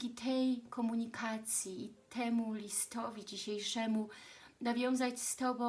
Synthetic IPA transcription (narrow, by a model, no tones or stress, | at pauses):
kʲit̪ʰɛjkɔmuɲikʰat̪sʲjiːt̪ʰɛmulʲist̪ɔvʲid͡ʑiɕejʂɛmu | navʲjɔ̃w̃zat͡ɕst̪ɔbɔ̃